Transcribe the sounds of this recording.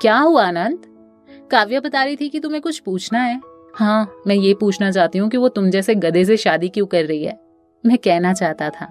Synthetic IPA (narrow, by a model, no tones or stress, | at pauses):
kjaːɦuanə̃nt̪ | kaːʋjəbɐt̪aːɾɐit̪ʰikit̪ʊmɦẽkʊt͡ʃʰpuːt͡ʃʰnaɦɛː | hãːmɛ̃ːjepuːt͡ʃʰnat͡ʃaːɦt̪iɦũkiʋot̪ʊmd͡ʒɛːseɡɐd̪es̬eʃaːd̪ikjũːkɐɾːɐɦiɦɛ̰ː | ʊnɦẽkɛɦnat͡ʃaːɦt̪at̪ʰa̰ː